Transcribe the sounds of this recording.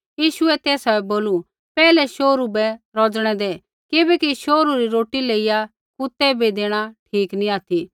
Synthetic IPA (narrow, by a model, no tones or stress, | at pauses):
jiːʃʊɛt̪ɛːsaɛboːlu | pɛːlɛʃoːɾubɛɾɔd͡zɽ̃ɛd̪eː | kɪbɛkiʃoːɾuɾiɾoːʈileːɪja | kʊt̪ɛbid̪eːɽ̃aʈʰiːkniaːt̪ʰi